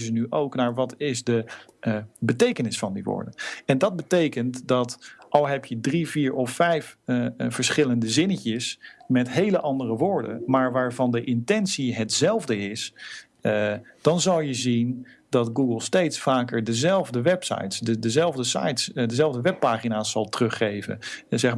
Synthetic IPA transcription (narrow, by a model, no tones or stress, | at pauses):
zənyʔowknaːɹʋɑtɪzdə | bətejkənɪsfɑndiʋʊ̰ːɹdəɛndɑd̚bətejkəntdɑtʔɑlˠɦɛpjədriviːɹʔɔfːɛjfvəɹsχɪləndəzɪnəcəsmɛtɦejləʔɑndərəʋʊːɹdə̰nmaːɹʋaːɹvɑndəʔɪntɛnsiɦətz̥ɛlˠvdəɪs | d̥ɑnzɑlˠjəzindɑtɡuɡəlˠstejtsfaːkəɹdəzɛlˠvdəʋɛpsɑ̰jtsdədəzɛlˠvdəsɑ̰jtsdəzɛlˠvdəʋɛpːaːχinaːsɑlˠtərɵχːejvə̰nzɛχ